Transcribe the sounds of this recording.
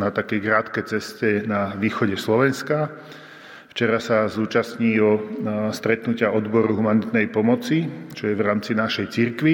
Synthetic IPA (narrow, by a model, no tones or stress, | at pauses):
nat̪akɛjkɾaːt̪kɛjt͡sɛscɛnaʋiːxɔɟɛslɔʋɛnska | ft͡ʃɛɾasazuːt͡ʃasɲiːɔst̪ɾɛt̪nucɪaɔd̪bɔɾuɦumanit̪nɛjpɔmɔt͡sit͡ʃɔjɛʋɾaːmt͡sinaʃɛjt͡siɾkʋi